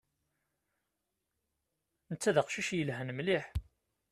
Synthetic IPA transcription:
nət͡sːæðəqʃiʃjəlɦænmliħ

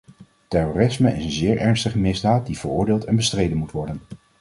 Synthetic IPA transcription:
tɛroːrɪsməɪsənzɪːɹʔɛɹnstəχəmɪzdaːt̚div̥əɹʊ̰ːɹdɪːlˠtɛnbəstrejdənmutʋɔɹdən

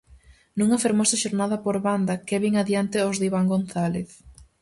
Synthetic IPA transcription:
nuŋɐfeɾmosɐʃoɾnað̞ɐpoɾβand̪ɐkeβiŋaðjant̪ɪozðiβaŋɡonθaleθ

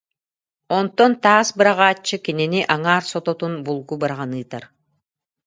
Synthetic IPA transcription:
ont̪ːont̪ɑːsbɯɾaʁɑːt͡ʃːɯkeneniʔaŋaːɾsot̪ot̪unbulˠɡubɯɾaʁanɯːt̪aɾ

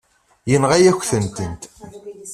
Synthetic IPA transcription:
jənʁæjæçʷθənt̪ənt̪

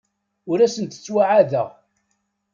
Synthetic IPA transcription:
ʊɾæsənt̪ə̥t͡sːwaʕaðə̰ʁ

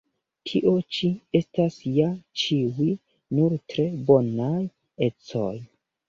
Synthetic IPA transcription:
tʰiʔo̞t͡ʃie̞stasjat͡ʃiwi | nuɾtɾe̞bo̞naj | e̞t͡so̞j

